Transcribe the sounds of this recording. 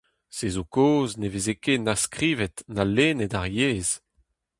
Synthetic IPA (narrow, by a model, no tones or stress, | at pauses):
sezokoːznevezekenaskʁiːvɛtnaleːnedaʁjeːz̥